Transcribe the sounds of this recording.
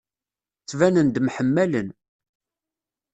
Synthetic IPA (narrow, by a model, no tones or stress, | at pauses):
t͡sːvænənd̪mħəmːælən